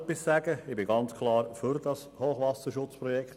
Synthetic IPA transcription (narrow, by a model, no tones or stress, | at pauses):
pːissæːɡəɪbɪɡɑnt͡skʰlɑːɾfyɾdɑshoːχʋɑsəʃʊt͡spɾɔjɛkt